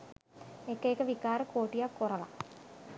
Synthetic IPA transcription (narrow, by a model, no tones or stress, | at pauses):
ekːeekːɐʋikaːɾɐkoːʈːijakːorɐla̰